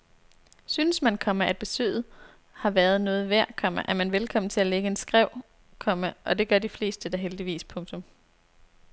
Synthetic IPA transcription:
synəsmænkʰɒ̽məæd̥̚b̥e̝sø̰ːð̩ˠ | hɑ̈ʋæɐð̞̩ˠnɔ̽ːð̞̩ˠʋæɐ̰kʰɒ̽m̰əʔæɐmænʋelkʰɒ̽m̰n̩t͡sʰe̝læleɡ̥əe̝nsɡ̥ʁɛʊ̰ | kʰɒ̽məʔɒ̽d̥e̝ɡ̥ɶɐd̥ifle̝̰ːsd̥əd̥ɑ̈ɦeld̥iʋḭːspʰɔ̽ŋt͡sʰɔ̽m

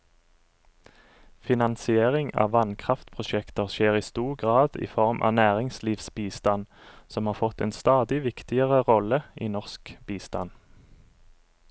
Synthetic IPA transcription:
fɪnɑnsɪeːʁɪŋɑ̰ːʋɑnkʰʁɑft̪pʰʁʊʃɛkt̪əʁʃeːʁiːst̪uːʁɡʁɑːd̪ḭːfɔʁmʔɑ̰ːnæːʁɪŋsliːʋsbiːst̪ɑn | sɔmhɑːʁfɔt̪ḛːnst̪ɑːd̪ɪʋɪkt̪ɪəʁəʁɔləḭːnɔʁskb̥iːst̪ɑ̰n

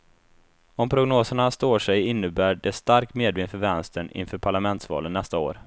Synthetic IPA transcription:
ɔmpʰɾʊɡnoːsəɳast̪oːʂɛjɪnːəbæːɖɛst̪aɾk̚t̪meːd̪bɪnfœɾvɛnst̪əɳɪ̰nfœːɾpʰaɭamɛnt̪svɑ̰ːlənːɛst̪ao̰ːɾ

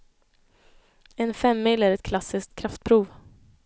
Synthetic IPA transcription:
ɛnfɛmːilæɾɛt̪̚kʰlasɪsk̚t̪̚kʰɾaft̪̚pʰɾuːv

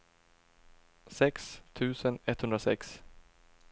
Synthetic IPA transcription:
sɛkst̪ʰʉ̟ːsənɛt̪hɵnd̪ɾasɛ̰ks

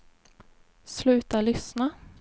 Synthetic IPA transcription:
slʉ̟ːt̪aɭʏsna

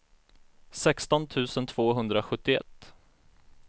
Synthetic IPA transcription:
sɛkst̪ɔnt̪ʰʉ̟ːsənt̪ʰv̥oːɦɵnd̪ɾaɧɵt̪ːɪɛ̰t̪ː

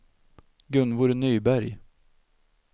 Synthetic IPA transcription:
ɡɵnvuːɾnyːbæɾj

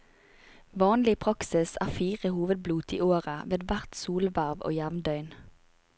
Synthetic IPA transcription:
ʋɑːnlɪpʰʁɑksɪsæ̰ːʁfiːʁəhuːʋəd̪̚bluːt̪ḭːʔoːʁəʋeːd̪ʋæʁt̪suːlʋæʁʋo̰ːjæʋnd̪œʏn

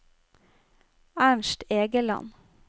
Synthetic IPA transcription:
æɳʃʈeːɡəlɑ̰n

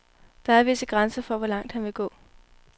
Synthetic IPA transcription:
d̥ɑ̈æɐʋe̝səɡ̥ʁansɐfɒ̽ʋɒ̽lɑ̈ŋ̰d̥hænʋe̝ɡ̥ɔ̰ː

